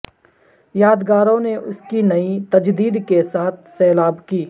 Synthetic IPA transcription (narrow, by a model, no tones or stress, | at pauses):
jaːd̪ɡaːɾõneʔʊskinɐit̪ɐd͡ʒd̪iːd̪kesaːt̪̚ʰsɛːlaːbkiː